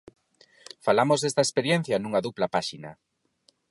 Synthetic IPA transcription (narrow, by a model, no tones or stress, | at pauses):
falamozðest̪aespeɾjen̟θjanũŋaðuplapaʃinɐ̰